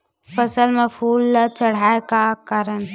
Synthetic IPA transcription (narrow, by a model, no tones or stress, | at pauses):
pəsəlmẽpʰuːlt͡ʃəɽ̤aːekakaːɾən